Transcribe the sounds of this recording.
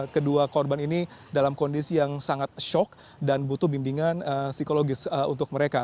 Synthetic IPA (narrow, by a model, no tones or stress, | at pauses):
kəduakɔrbaninidalamkondisijaŋsaŋat̪̚ʃɔk̚ | danbut̪uhbimbiŋanəsikoloɡɪsəṵnt̪ʊk̚məɾeka